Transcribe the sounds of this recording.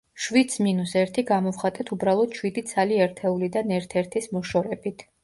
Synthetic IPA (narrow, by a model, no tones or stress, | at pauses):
ʃwit̪sminusɛɾt̪ʰiɡamɔvχat̪ʼɛt̪ʰubɾalˠɔd̪̥ʃwid̪it̪sʰaliɛɾt̪ʰɛulid̪anɛɾt̪ʰɛɾt̪ʰismɔʃɔɾɛbit̪ʰ